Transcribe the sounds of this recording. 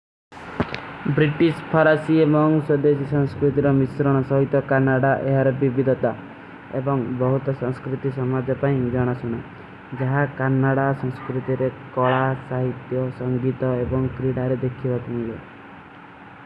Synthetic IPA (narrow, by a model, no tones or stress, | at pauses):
bɾiʈispʰɔɾasiemɔŋsɔd̪esisɔ̃ŋskɾut̪iɾɔmisɾɔɽ̃ɔsɔɦit̪ɔkanaɽaʔḛɦaɾɔbibid̪ʱɔt̪a | ḛbɔŋbɔɦut̪ɔsɔ̃ŋskɾut̪isɔmad͡ʒɔpaĩd͡ʒɔɽ̃ɔsuɽ̃a̰ | d͡ʒaɦakanːaɽasɔ̃ŋskɾut̪iɾekɔɭasaɦit̪jɔsɔŋɡit̪ɔebɔŋkɾiɽaɾed̪ekʰibap̪uɦile